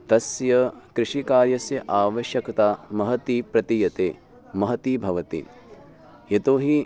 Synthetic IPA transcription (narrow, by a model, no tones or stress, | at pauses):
t̪ɐsjɐkɾɪʂikaːɾjɐsjɐʔaːʋɐʃjɐkt̪aːmɐɦɐt̪ipɾɐt̪ijɐt̪eː | mɐɦɐt̪ibʱɐʋɐt̪ḭ | jet̪oːɦi